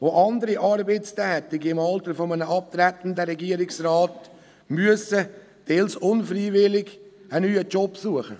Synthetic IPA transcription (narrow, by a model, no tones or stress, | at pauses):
oʔɑndəɾiʔɑɾbet͡stɛːt̪ɪɡiɪmɑltəɾfɔmənəɑp̚t̪ɾɛtn̩dəɾɛɡiəɾɪksraːt | myəsə | d̥elsʊnfriːvɪlɪɡ | ənyːət͡ʃɔpsuəχə̰